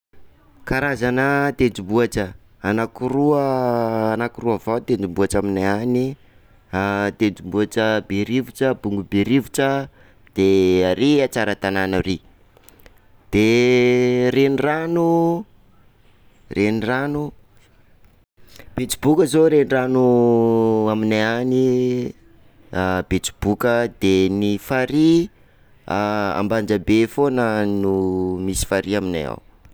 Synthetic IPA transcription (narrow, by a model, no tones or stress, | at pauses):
kaɾazanət̪ent͡sumbuaʈ͡ʂə | anakuɾuəːnakiruavawt̪end͡zumbuaʈ͡ʂaminaani | at̪ent͡simbuaʈ͡ʂəbeɾivuʈ͡ʂəbuŋɡubeɾivuʈ͡ʂə | d̪̥eaɾiat͡saɾət̪ananaɾi | d̪̥e | reniranu | rʔeniranu | b̥et͡si̥bukəzoɾeniranu | aminaani | bet͡su̥b̥ukəd̪enifaɾi | a̰mband͡ʒəbefonənumisi̥faɾiamina̰ja̰w